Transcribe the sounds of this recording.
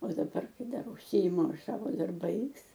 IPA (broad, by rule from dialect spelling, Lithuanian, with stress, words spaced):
oː dɐˈbɐr ˈkɐɪ ˈdɐr ʊʃʲˈsʲɪɪmʊ ˈɐʃ ˈsɑːʋoː dɐrˈbɐɪs